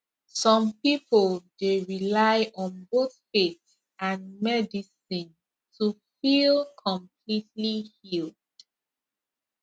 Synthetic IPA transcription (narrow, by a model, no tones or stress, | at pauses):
sɔ̃mpipəlˠdeɹilaɪʔɔ̃nboθfet | ʔãnmɛdisĩn | tʰufilˠkʰɔ̃mpʰlitlihil | d̥